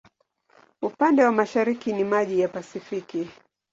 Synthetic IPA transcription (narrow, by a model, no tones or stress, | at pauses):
upandɛwamaʃaɾikinimaʄijapasifiki